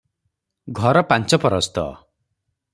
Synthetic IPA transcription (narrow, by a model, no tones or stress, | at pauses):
ɡʱɔɾɔpant͡ʃɔpɔɾɔst̪ɔ̰